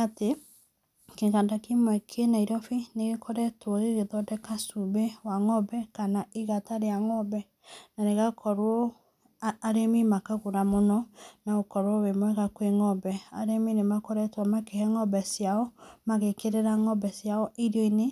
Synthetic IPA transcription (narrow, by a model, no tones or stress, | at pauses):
ate | keɣadakimwɛkʰenaiɾɔfineɣekʰɔɾɛtwɔɾeɾeðɔdɛkasubewaŋɔbɛkanaiɣataɾeaŋɔbɛ | naneɣakʰɔɾwɔː | ɾemimakaɣoɾamonɔnaɣokɔɾwɔβemwɛɣakweŋɔbɛaɾeminemakɔɾɛtwɔmakehɛŋɔbɛsjaɔmaɣekeɾeɾaŋɔbɛsjaɔʔiɾoine